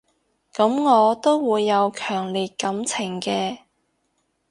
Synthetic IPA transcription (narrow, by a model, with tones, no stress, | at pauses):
kɐ˨˥mŋɔː˨˧t̪o˥wwuː˨˧jːɐ˨˧wkʰœː˨˩ŋliː˨t̚kɐ˨˥mt͡sʰɪ˨˩ŋkɛː˧